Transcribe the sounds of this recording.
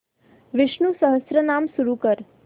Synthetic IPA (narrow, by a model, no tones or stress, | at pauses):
ʋɪʃnusəɦəsɾənamsuɾukəɾ